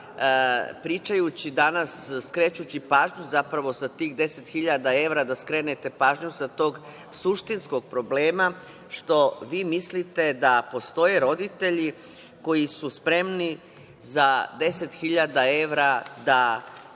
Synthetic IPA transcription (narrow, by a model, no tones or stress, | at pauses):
pɾiːt͡ʃajut͡ɕid̪anasːkɾet͡ɕut͡ɕipaːʒɲuzapɾaʋo̞sat̪iːɣd̪e̞set̪xiʎad̪ae̞ʋɾad̪askɾe̞ːnet̪e̞paːʒɲusat̪o̞ːɡ | suʃt̪insko̞ɡ̚pɾo̞bleːma | ʃt̪o̞ʋiːmislit̪e̞d̪apo̞st̪o̞jeɾo̞d̪it̪eʎi | ko̞jisuspɾe̞mni | zad̪e̞se̞t̪xiʎad̪ae̞ʋɾad̪a